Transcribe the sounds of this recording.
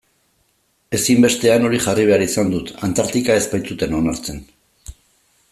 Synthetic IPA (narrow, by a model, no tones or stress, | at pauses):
e̞simbe̞st̪e̞ano̞ɾiʝariβ̞e̞aɾisand̪ut̪ant̪aɾt̪ikae̞spajt͡sut̪e̞no̞naɾt͡se̞n